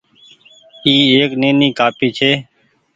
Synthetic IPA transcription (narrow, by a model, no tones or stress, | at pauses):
iːeːknẽːniːkaːpiːt͡ʃʰeː